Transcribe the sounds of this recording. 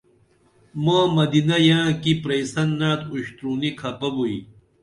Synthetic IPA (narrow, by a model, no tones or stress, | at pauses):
mãːmɐd̪inɐjãːkipɾeisɐnːaːt̪uɕt̪ɾuːnikʰɐpɐbui